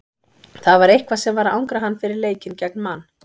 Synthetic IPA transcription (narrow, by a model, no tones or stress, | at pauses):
θavaɾejhkvasɛmvaɾa̰wŋkɾaɦanːfɪɾɪɾleːjcɪncɛk̚nmanː